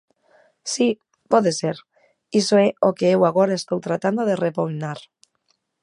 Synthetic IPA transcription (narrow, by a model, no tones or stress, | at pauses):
si | pɔðeseɾ | isoeokeewaɣ̞oɾaest̪owt̪ɾat̪and̪oðerepojnaɾ